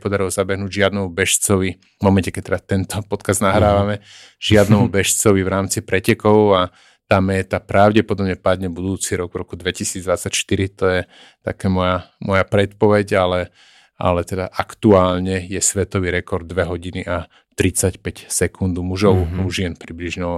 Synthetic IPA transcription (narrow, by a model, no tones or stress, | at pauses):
pɔd̪aɾilɔzabɛɦnuːɟʒɪad̪nɛmubɛʃt͡sɔʋi | mɔmɛncɛkɛc̚t̪ɛdat̪ɛnt̪ɔpɔt̪kazd̪naɦɾaːʋamɛ | ʒ̥ɪad̪nɛmubɛʃt͡sɔʋiʋɾaːmt͡sipɾɛcɛkɔʊa | t̪aːmɛːt̪apɾaʊɟɛpɔd̪ɔbɲɛpad̪ɲɛbud̪uːt͡siɾɔɡvɾɔkud̪ʋɛcisiːd͡zd̪ʋat͡sːacʃt̪iɾit̪ɔjɛ | t̪a̰kɛːmɔjamɔjapɾɛt̪pɔʋɛɟalɛ | a̰lɛt̪ɛd̪aʔakt̪uaːlɲɛjɛsʋɛt̪ɔʋiɾɛkɔɾd̪̚ːʋɛɦɔɟiniʔa | t̪ɾit͡sacpɛcsɛkʰund̪muʒɔʊuʒɪɛnpɾibliʒɲɛ